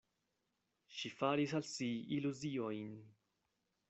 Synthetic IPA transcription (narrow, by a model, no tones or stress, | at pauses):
ʃifaːɾisalsiiluziɔin